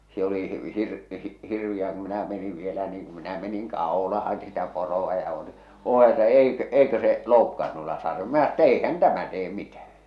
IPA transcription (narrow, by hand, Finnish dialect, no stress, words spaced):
se oli hir hirʋij̆æː ku minæ meniʋ ʋielæ niːŋ kum minæ meniŋ kɑˑolɑhɑn sitæ poroɑ jɑ ŏl̆ĭ oː etːæ eikø̆ eikø se loukːɑːn nuilːɑ sɑr minæ tːæ eihæn tæmæ teː mitæhæ̥